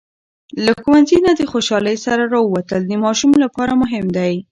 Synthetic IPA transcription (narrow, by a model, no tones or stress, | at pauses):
lakuwanzinad̪əxoʃɑləjsaɾaɾɑəwat̪əld̪əmɑʃumlapɑɾamʊɦɪmd̪aj